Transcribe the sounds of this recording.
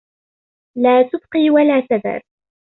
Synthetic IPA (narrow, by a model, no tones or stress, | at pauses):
laːt̪ʊbqiːwalaːsabɑ̰ɾ